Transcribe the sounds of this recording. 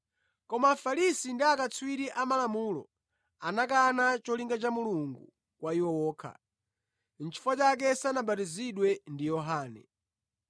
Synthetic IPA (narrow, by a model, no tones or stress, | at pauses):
kɔmafalisindiakat͡sʰwiɾiʔamalamuːlɔ̰ | anakanat͡ʃɔliŋɡat͡ʃamuluŋɡu | kwaiwɔwɔːkʰa̰ | n̩t͡ʃʰi̥fɔt͡ʃak̬ɛsanaɓatiziɗwɛndijɔɦaːnɛ̰